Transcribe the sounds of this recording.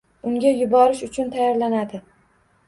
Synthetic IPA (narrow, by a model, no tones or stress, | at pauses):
ʊŋɡʲajʊbɒɾɪʃʊt͡ʃʰʊnt̪ʰajɒɾlanad̪ɪ